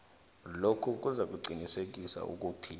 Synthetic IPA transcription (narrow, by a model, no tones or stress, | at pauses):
lokʰuk̬ʼuzak̬ʼuǀinisek̬ʼisa̰ʔṵk̬ʼuːtʰi